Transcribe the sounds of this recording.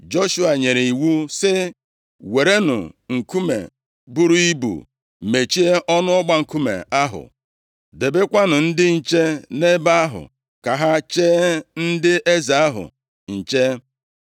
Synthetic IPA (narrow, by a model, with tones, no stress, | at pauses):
d͡ʒo˦ʃu˦a˨ɲe˨ɾe˨i˨wu˦sɪ˦ | we˨ɾe˦nʊ̰˨ŋ̩˨ku˦mḛ˨ | bʊ˦ɾu˦i˦bṵ˨ | me˨t͡ʃi˦e˦ʔɔ˦nʊ˦ɔ˦ɡ͡ba˦˨ŋ̩˨ku˦mḛ˨a˦ɦʊ̰˨ | de˨be˦kʷa˦nʊ˨n̩˦dɪ˦n̩˨t͡ʃe˦ne˦ba˦a˦ɦʊ̰˨ | ka˨ɦa˦t͡ʃeː˦n̩˦dɪ˦ʔe˦za˨a˦ɦʊ̰˨ | n̩˨t͡ʃe˦